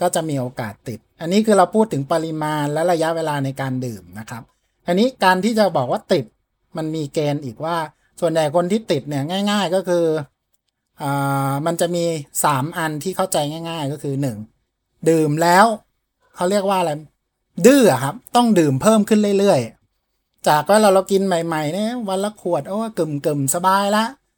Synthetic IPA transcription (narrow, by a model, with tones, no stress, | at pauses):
kɔː˥˩t͡ɕa˨˩ʔmiː˧ʔoː˧kaː˨˩t̪ːi˨˩t̪̚ʔa˧nːiː˦˥kʰɯː˧ɾa˧wpʰuː˥˩t̪ʰːɯ˩˦ŋpa˧ɾi˧maː˧nlɛ˦˥ɾa˧ja˦˥ʔweː˧laː˧na˧jkaː˧ndɯː˨˩mna˦˥kʰɾa˦˥p̚ | ʔa˧nːiː˦˥kaː˧nt̪ʰiː˥˩t͡ɕa˨˩bɔː˨˩k̚waː˥˩t̪i˨˩t̪̚ | ma˧nmiː˧keː˧nʔiː˨˩k̚waː˥˩ | su˨˩ənja˨˩jkʰo˧nt̪ʰiː˥˩t̪i˨˩t̪̚ni˥˩ɐŋaː˥˩jŋaː˥˩jkɔː˥˩kʰɯː˧ | ʔaː˨˩ma˧nt͡ɕa˨˩miː˧saː˩˦mʔa˧nt̪ʰiː˥˩kʰa˥˩wt͡ɕa˧jŋaː˥˩jŋaː˥˩jkɔː˥˩kʰɯː˧nɯ˨˩ŋ | dɯː˨˩mlɛː˦˥w | kʰa˦˥wli˥˩ək̚waː˥˩ʔla˧j | dɯː˥˩a˨˩kʰa˦˥p̚t̪ɔ˥˩ŋdɯː˨˩mpʰɤː˥˩mkʰɯ˥˩nlɯ˥˩jlɯ˥˩əj | t͡ɕaː˨˩k̚waː˦˥˩la˧˩wla˧wki˧nma˨˩jma˨˩jna˥wa˧nla˧kʰu˨˩ət̪̚ʔoː˧˦˧kɯ˨˩mkɯ˨˩msa˧baː˧jla˧˦˥ʔ